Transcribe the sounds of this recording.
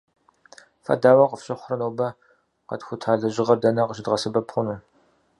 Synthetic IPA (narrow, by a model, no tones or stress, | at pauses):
fɐ̰daːwɐqəfɕʼɪχʷʊrɐnoːbɐ | qɐ̰txʷʊtʰaːɮɐʑɪʁɐrdɐnɐqəɕʼɪdʁɐsɨbɐpχʷʊnuː